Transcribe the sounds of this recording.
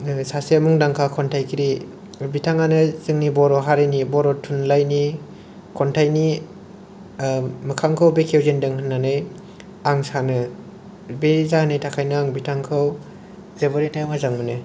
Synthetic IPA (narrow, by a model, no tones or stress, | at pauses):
sasemuŋdaŋkʰakʰɔntʰajkʰiɾi | bitʰaŋanɯzɯŋnibɔɾɔɦaɾenibɔɾɔtʰunlajni | kʰɔntʰajni | mɯkʰaŋkʰɯwbekʰewzendɯŋhɯnːanɯj | aŋsanɯ | bezahanɯjtʰakʰajnɯaŋbitʰaŋkʰɯw | zebɯɾitajmazaŋmɯnɯ